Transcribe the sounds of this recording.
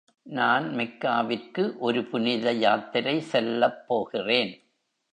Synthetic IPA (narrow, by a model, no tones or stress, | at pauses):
naːnmɪkːaːʋɪrkɯʔɔɾɯpʊnɪðɐjaːt̪ːɪɾɐɪsɛlːɐpːoːɣɪreːn